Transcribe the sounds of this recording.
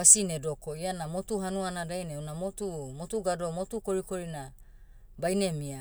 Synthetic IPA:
asinedo̞ko̞ianamotuɦanuanadajneunamotumotuɡado̞motukoɾiko̞ɾina | bajne̞mia

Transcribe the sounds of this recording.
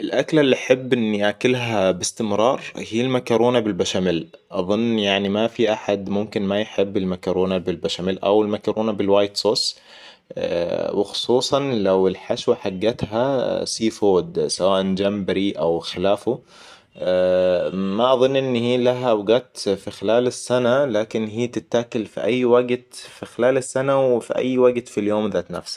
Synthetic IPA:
ʔɪlʔaklalːiʔaħɪbːʔɪnːiʔakɪlɦabɪst̪ɪmɾˤɑːɾˤhiːlmakɑɾoːnabɪlbaʃamɪlʔɑðˤʊnːjaʕnimafiʔaħad̪mʊmkɪnmajħɪbːɪlmakɑɾˤoːnabɪlbaʃamɪlʔa̰wɪlmakɑɾʔoːnabɪlwaːjt̪soːs | wɪxʊ̥sˤuːsˤɑnlawɪlħaʃwaħaɡːat̪ɦasiːfoːd̪sawaːʔand͡ʒambaɾiʔawxɪlaːfu | maʔɑðˤɨnːʔɪnːhiːlaɦawɡaːt̪fixɪlaːlɪsːanalaːkɪnɦiːt̪ɪt̪ːaːkʊlfḭʔajːwaɡt̪fixɪlaːlɪsːanawɪfḭʔa̰jːwaɡt̪filjoːmðaːt̪na̰fsḁ

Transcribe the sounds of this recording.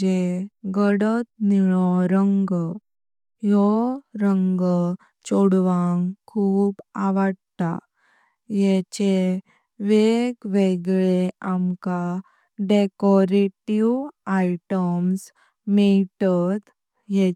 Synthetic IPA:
eɡəɽət̪niɭɔɾəŋɡ | jɔɾəŋɡ | t͡ɕoɽʋaŋkʰuːbaʋəɽt̪a̰ | jɛt͡ɕe | ʋeɡʋeɡɭeamka | ɖekɔɾeʈiwaiʈəms | miʈət̪ | je

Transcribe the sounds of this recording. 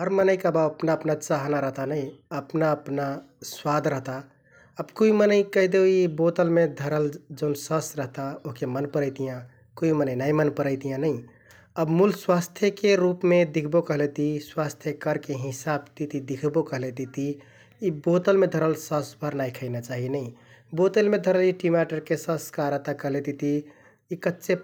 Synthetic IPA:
ɦəɾmənəjkabaəpnaəpnat͡ʃaɦnaɾəɦt̪anəjəpnaəpna | swad̪ʱɾəɦt̪a | əbkoimənəjkəɦd̪eoibot̪əlmed̪ʱəɾəld͡ʒəʊnsəsɾəɦt̪aoɦkemənpəɾəjt̪ijã | koimənəjnaimənpəɾəjt̪ijãnəj | əbmulswast̪ʰjəkeɾupmed̪ikʰbokəɦlet̪iswast̪ʰjəkəɾkeɦisab̚t̪it̪id̪ikʰbokəɦlet̪it̪i | ibot̪əlmed̪ʱəɾəlsəsbʱəɾnajkʰəɪnat͡ʃaɦinəj | bot̪əlmed̪ʱəɾəliʈimaʈəɾkesəskaɾəɦt̪akəɦlet̪it̪iː | kətːt͡ʃe

